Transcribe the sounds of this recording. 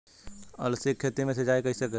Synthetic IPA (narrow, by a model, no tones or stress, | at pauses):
ə̰lsekʰːet̪emẽsed͡ʒaːekɐɦisəke